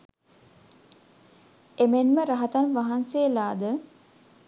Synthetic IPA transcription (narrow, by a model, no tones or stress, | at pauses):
emenməɾaɦat̪anʋaɦanselaːd̪ə